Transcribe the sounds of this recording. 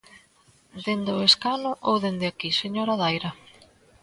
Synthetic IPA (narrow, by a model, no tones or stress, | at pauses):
d̪end̪oeskanʊʔowðend̪ɪakiseɲoɾaðajɾɐ